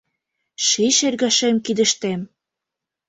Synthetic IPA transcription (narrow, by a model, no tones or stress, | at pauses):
ʃiʃerɣɑʃemkid̪ə̆ʃt̪em